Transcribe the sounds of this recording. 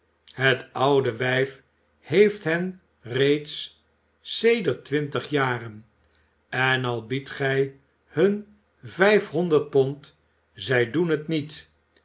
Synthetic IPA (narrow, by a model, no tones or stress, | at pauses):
ɦətɑwdəʋɛjf | hejftɦɛn | rejts | sejdəɹtʋɪntəχjaːrən | ɛnɑlˠbitχɛj | hɵn | vɛjfɦɔndəɹt̚pɔnt | zɛjdunɦətnit